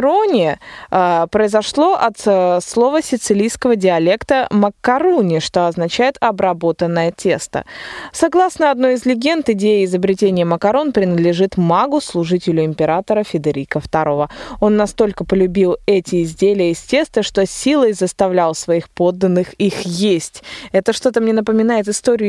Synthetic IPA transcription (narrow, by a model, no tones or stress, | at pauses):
onʲɪ | pɾəɪzɐʂlˠo̞ʔɐt̪slˠo̞vəsʲɪt̪sɨlʲijskəvədʲɪɐlʲe̞kt̪əməkːɐɾunʲɪʂt̪o̞ɐznɐt͡ɕæjɪt̪ɐbɾɐbo̞t̪ənːəjətʲest̪ə̰sɐɡlˠasnəɐd̪no̞jɪzlʲɪɡʲe̞nt̪ɪdʲejɪːzəbɾʲɪtʲenʲɪjəməkɐɾo̞npɾʲɪnəd̪lʲɪʐɨt̪maɡʊslˠʊʐɨtʲɪlʲʊɪmʲpʲɪɾat̪əɾəfʲɪd̪ɐɾʲikəft̪ɐɾo̞vəo̞nːɐst̪o̞lʲkəpəlʲʉbʲilˠɛtʲɪːzʲdʲelʲɪjəɪsʲtʲe̞st̪əʂt̪o̞sʲilˠəjzəst̪ɐvlʲalˠsvɐixpo̞d̪ːənːɨxixjesʲtʲɛt̪əʂt̪o̞t̪əmnʲenəpəmʲɪnajɪt̪ɨst̪oɾʲɪjʊ